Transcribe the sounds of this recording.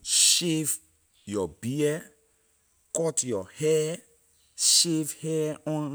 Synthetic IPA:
ʃev | jɔbiɛ | kɔtjɔhɛ | ʃevhɛɔ̃n

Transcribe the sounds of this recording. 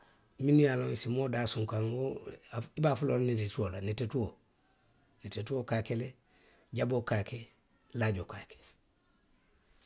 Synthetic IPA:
minujaloŋsimoːdaːsũŋkaŋoaibaːfulolnidituolanetetuo | netetuokakele | ɟabokake | laɟokaːke̥

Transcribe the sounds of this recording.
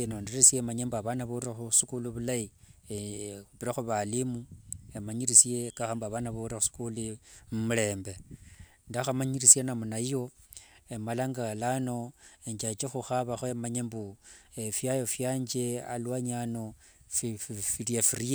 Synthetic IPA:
enonderisiemaɲembuaβanaβoaxusikuluβulai | βiɾaxuβalimuemaɲiɾisie̞kaxambaβanaβoraxusi̥kulimumule̞ːmbe̞ | ndaxamaɲirisienamunajijo̞emalaŋɡalano̞eɲd͡ʒat͡ʃexuxaβaxoemaɲembuefjajofjaːɲd͡ʒe̞a̰lwaɲano̞ | ffiriafiɾie

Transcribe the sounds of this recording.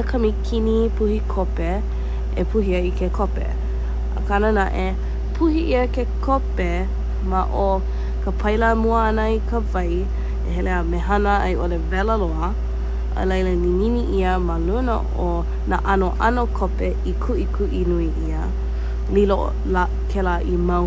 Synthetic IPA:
əkʰɐmikʰinipʰuhikʰope | epʰuɦiɐikʰekʰopḛ | ə̰kanənaʔe | pʰuhiʔiəkekʰope | maʔo | kʰəpʰɐjlamuəanəikəvɐj | eɦɛleameɦanəɐ̰jʔolevɛləloə | ʔə̰lejləlininiʔiəmalunə̰ | o | naʔanoʔanokʰope | ikʰuʔikʰuʔinuiʔiə | lilo̰ | la | kʰelaʔimɐ

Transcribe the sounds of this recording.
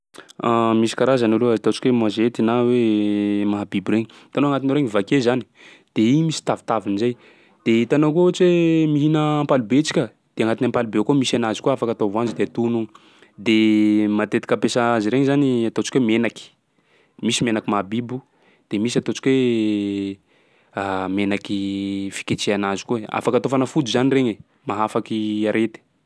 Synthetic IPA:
amisi̥kaɾazanuluaat̪ot͡ʃi̥kʲwemazet̪inawemaɦabibuɾeɲi | t̪anoaŋat̪inɾeŋivakezani̥ | d̪̥eimisi̥t̪avi̥t̪avinizaj | d̪̥et̪anokuot͡ʃiwemiɦinəːmpalibet͡si̥kʲə | d̪̥eaŋat̪inampalubekomisanazikuaafakat̪ovand͡ʒud̪eat̪unu | d̪emat̪et̪i̥kəpesaaziɾeɲizaniat̪ot͡ʃi̥kwemenaki̥ | misimenakimabibu | d̪̥emisiat̪ot͡ʃi̥kwe | amenakifi̥ket͡ʃeanazi̥kuea̰fakat̪ofanəfud̪uzanireɲe | maɦafakiaɾʔet̪i̥

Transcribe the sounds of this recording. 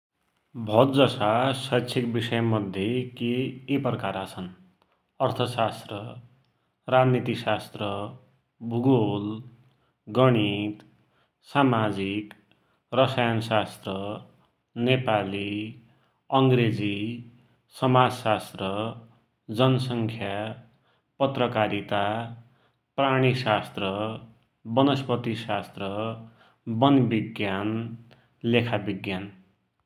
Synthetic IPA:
bʱʌd̪d͡zʌsasʌt͡sʰikbisʌjʌmʌd̪ʱjekeːprʌkaɾat͡sʰʌn | ʌrt̪ʰʌsast̪rʌ | rad͡znit̪isast̪rʌ | bʱuɡol | ɡʌɽ̃it̪ | samad͡zik | rʌsajansast̪rʌ | nepali | ʌŋɡɾed͡zi | sʌmad͡zsast̪rʌ | d͡zʌnʌsʌŋkʰja | pʌt̪rʌkaɾit̪a | praɽ̃isast̪rʌ | bʌnʌspʌt̪isast̪rʌ | bʌnbiɡjan | lekʰabiɡjan

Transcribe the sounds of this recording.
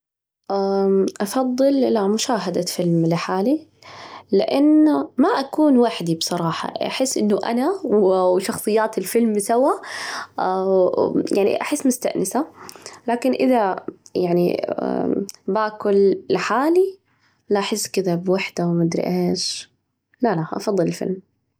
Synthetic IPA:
ʔaʔɑfɑðˤːɨlʔɪlamʊʃaːɦad̪afɪlmlɪħaːli | lɪʔanːmaʔakuːnwaħd̪ibsˤɑɾˤɑːħɑ̰ʔa̰ħɪsːʔɪ̰nːʊʔa̰nawwʃɑxsˤɨjːaːt̪ɪlfɪlmsawa | jaʕnḭʔaħɪsːmʊst̪a̰ʔnɪsalaːkɪnʔɪðajaʕnḭ | baːkʊlːħaːli | laʔaħɪsːkɪðabwaħd̪awmad̪ɾḭʔeːʃ | lalaʔɑ̰fɑðˤːɨlɪlfɪ̰lm

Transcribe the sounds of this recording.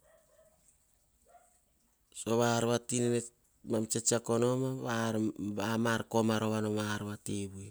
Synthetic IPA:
soβaɾβatinene | mamt͡ʃet͡ʃiakono̞maβaɾβamaɾko̞maɾo̞βanomaɾβateβue

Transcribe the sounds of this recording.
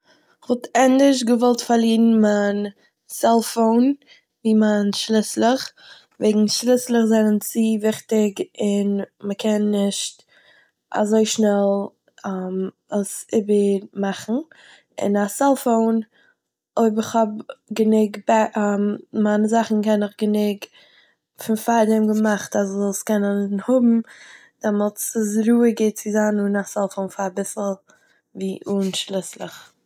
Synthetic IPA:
ɪχvɔtɛndɪʃɡəvɔlˠtfaɾliːnn̩man | sɛlˠfoʊn | viːmanʃlɪslˠəχ | veɪɡŋ̩ʃlˠɪslˠəχzɛnənt͡siːvɪχtɪɡɪnməkʰɛnːɪʃt | a̰zoɪʃnɛlˠ | am | asɪbəɾmaχn̩ | ɪ̰nasɛlˠfoʊn | oɪbɪχhɔbɡənɪɡbɛmmanəzaχn̩kɛnɪχɡənɪɡ | fɪnfadɪmɡəmaχtazɔlˠskɛnənhʊbm̩ | d̥ɛmɔlˠt͡səsɾuːəɡeɪt̚t͡sɪzanʊnasɛlˠfoʊnfaabɪsl̩ˠ | viːʔuːnʃlˠɪslˠɪχ

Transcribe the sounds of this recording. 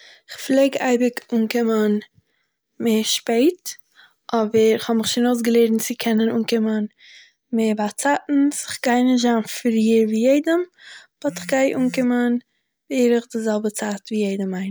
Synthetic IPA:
ɪχflˠeːɡaɪbɪkuːŋkɪmən | meːʃpeɪt | ʔɔbəɾɪχhɔbmɪχʃɪnoʊs̬ɡəlˠeːɾn̩t͡sɪkʰɛnənuːnkɪmən | meːbat͡satn̩sɪχɡ̥aɪnɪʒanffɪɾiːɾviːjeɪdəmb̥ɔtɪχɡaɪʔuːŋkɪmən | veːɾɪχdɪzɛlˠbət͡saːtviːjeɪdəmaɪn

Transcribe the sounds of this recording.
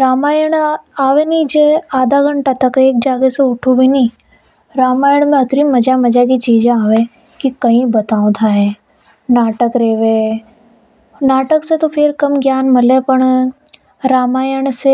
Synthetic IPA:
ɾaːmaːjəɽ̃aːʋenĩd͡ʒeaːd̪ʱaɡɐ̃ɳʈat̪ɐkeːk̚d͡ʒaːɡeseʊʈʰubʱinĩ | ɾaːmaːjəɽ̃mẽɐt̪ɾimɐd͡ʒamɐd͡ʒak̬it͡ʃiːd͡ʒẽaːʋẽ | kikɐɦĩbɐt̪aːõt̪ʰaɦe | naːʈəkɾeːʋẽ | naːʈəkset̪opʰɪɾkɐmɡjaːnmɐlẽpɐɳ̃ | ɾaːmaːjəɽ̃se

